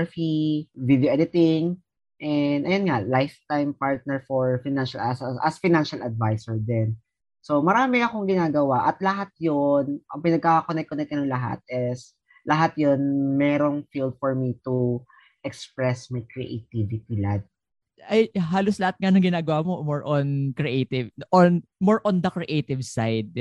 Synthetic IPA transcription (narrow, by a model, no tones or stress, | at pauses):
fivid̪joʔɛd̪ɪt̪ɪŋ | ʔɛnd̪ʔɐjonŋalajft̪ajmpaɹt̪̚nɛɹfoɹfɪnanʃɐlɐsʔɐsfaɪnanʃɐlɐd̪̚vajsɛɹd̪ɛn | so̞mɐɾaːmɪɐko̞ŋɡɪnaːɡɐwaʔɐt̪lɐɦat̪̚jonʔɐpɪnɐɡ̚kakonɛk̚kːonɛk̪̚ɐnɐŋlɐɦa̰t̪̚ʔɛs | lɐɦat̪jonmɛːɾoŋfild̪̚fɔɹmit̪u | ʔɛkspɹɛsmɐjkɾɛ̰ʔḛt̪ivɪt̪ilad̪̚ | ʔɐjɦaːloslɐhat̪̚ŋanɐŋɡɪnaːɡɐwaːmomoɹʔonkɹɛʔeːt̪ɪvɔnmoɹʔond̪ɐkɹɛʔejt̪ɪvsajd̪̚